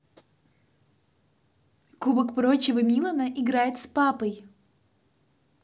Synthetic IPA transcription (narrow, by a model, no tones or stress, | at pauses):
kubəkpɾo̞t͡ɕɪvəmʲilˠənəʔɪɡɾajɪt̪spapəj